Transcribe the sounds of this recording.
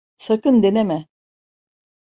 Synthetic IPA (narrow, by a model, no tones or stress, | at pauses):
sakɯnd̪enemɛ